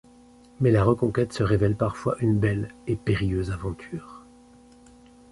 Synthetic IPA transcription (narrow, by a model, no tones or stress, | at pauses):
mɛlaʁəkɔ̃kʲɛt̪səʁevɛlpaʁfwaʔynbɛlepeʁijøzavɑ̃t̪ʰyːʁ